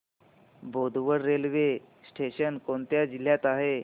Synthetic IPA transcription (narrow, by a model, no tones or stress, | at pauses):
bʱod̪ʱʋəɾːelʋe | sʈʰeɕənkont̪jad͡ʑil̤jat̪aɦe